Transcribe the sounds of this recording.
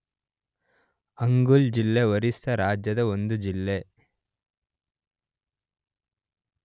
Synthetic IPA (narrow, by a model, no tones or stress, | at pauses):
ɐŋɡuld͡ʒilːeʋɐɾisɐɾaːd͡ʒjɐd̪ɐond̪ud͡ʒilːe̞